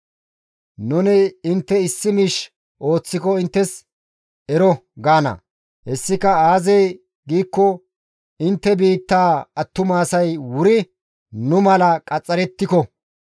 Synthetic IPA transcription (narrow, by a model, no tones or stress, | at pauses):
nʊnɪɪnt̪ːɛɪsːɪmɪʃ | ʔo̞ːt͡sːɪkɔɪnt̪ːɛs | ɛɾɔɡaːnɐ̰ | hɛsːɪkɐaːzɛj | ɡiːkːɔ | ɪnt̪ːɛbiːt̪ːaːɐt̪ːʊmaːsɐjwʊɾɪ | nʊmɐlɐkʼɐt͡sʼːɐɾɛt̪ːɪkɔ